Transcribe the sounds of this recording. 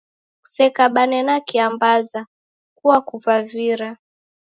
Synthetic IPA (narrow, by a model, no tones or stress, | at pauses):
sɛkaɓanɛnakiambaza | kuwakuvaviɾa